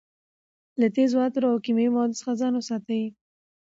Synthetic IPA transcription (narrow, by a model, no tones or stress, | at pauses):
lat̪ezwɑt̪ɾoawkimejimawɑd̪ʊsə̥xazɑnosɑt̪awi